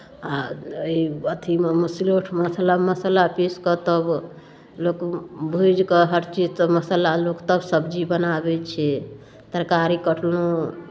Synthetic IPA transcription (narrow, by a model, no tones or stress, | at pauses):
aiət̪ʰimeməsiloʈʰməsəlaməsəlapiskət̪əb | lokbʱud͡ʒkəɦəɾt͡ʃid͡ʒsəməsəlalokt̪əbsəbd͡ʒibənabɛt͡ʃʰɛ | t̪əɾkaɾikəʈʰlo